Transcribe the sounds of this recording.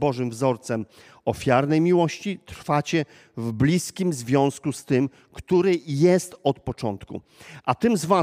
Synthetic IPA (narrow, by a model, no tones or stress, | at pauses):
bɔʐɘmvzɔɾt̪sɛm | ɔfʲjaɾnɛjmʲiwɔɕt͡ɕit̪ɾfat͡ɕɛ | vblʲiskʲimzvʲjɔ̃w̃skust̪ɘm | kt̪uɾɘjɛst̪ɔt̪pɔt͡ʂɔnt̪kṵ | ʔat̪ɘmzva